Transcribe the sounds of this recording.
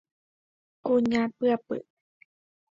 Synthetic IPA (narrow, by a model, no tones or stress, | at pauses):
kuɲapɨapɨ̰